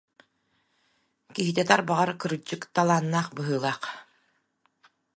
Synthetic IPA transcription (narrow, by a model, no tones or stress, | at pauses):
kiɦit̪̬ɛt̪aɾbaʁaɾkɯɾɯd͡ʑɯkt̪alˠaːnːaːχbɯɦɯːlˠaːq